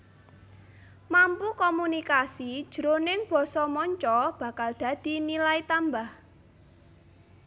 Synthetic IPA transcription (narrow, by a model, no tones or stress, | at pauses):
mampukɔmunikasid̥ʒ̥əɾonɪŋb̥ɔ̤sɔmɔɲt͡ʃɔb̥ä̤kald̪̥a̤d̪̥i̤nilait̪ambah